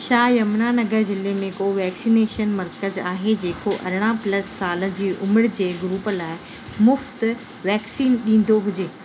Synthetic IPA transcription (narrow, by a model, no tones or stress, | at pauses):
ʃaːjɐmnaːnɐɡəɾd͡ʑɪlemẽkoːʋɛːksineːʃənmɐɾkəzaːɦed͡ʑeːkoʔɐ̰ɾɪɽ̃aplɐsːaːlə̆d͡ʑiːʔʊmɪɽd͡ʑeːɡɾuːpəlaːɪ | mʊft̪ | ʋɛːksiːnɗĩːn̆d̪oɦʊd͡ʑeː